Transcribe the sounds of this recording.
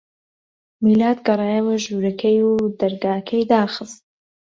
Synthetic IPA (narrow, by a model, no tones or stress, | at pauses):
milaːd̪ɡɐrˤɑːjɛwɐʒuɾɐkʰɐjud̪ɐɾɡaːkʰɐjd̪aːxɨst̪̚